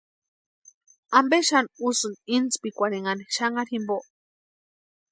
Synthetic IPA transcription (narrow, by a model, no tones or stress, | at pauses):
ambeʃanusɨnint͡spikʷaɾeŋaneʃaŋaɾhimboʔ